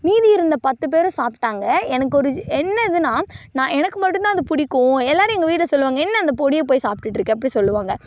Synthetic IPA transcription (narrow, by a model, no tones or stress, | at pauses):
miːðiɪɾɯnd̪ɐpɐt̪ːɯp̬eːɾʊ̃saːpʈːaːŋɡɐɛnɐkːɔɾɯɛnːɐðɯnaːnãːɛnɐkːɯmɐʈːɯ̃nt̪ãːɐðɯpʊɽɪkːʊ̃ɛlːaːɾɯ̃ɛŋɡɐʋiːɾɐsɔlːɯʋaːŋɡɐɛnːɐɐnd̪ɐpɔɽɪjɐp̬oːjsaːp̚ʈːɯʈːɪɾɯkːẽːɐpːɐɽisɔlːɯʋaːŋɡɐ